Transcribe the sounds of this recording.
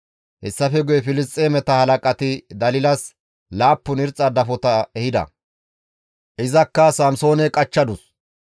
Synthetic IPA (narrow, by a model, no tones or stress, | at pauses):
hɛsːɐfɛɡʊjɛfɪlɪs̬t̪ʼeːmɛt̪ɐhɐlɐkʼɐt̪ɪd̪ɐlɪlɐs | laːpːʊnɪɾt͡sʼːɐd̪ɐfɔt̪ɐɛhɪd̪ɐ̰ | ʔɪzɐkːɐsɐmso̞ːnɛkʼɐt͡ʃːɐd̪ʊs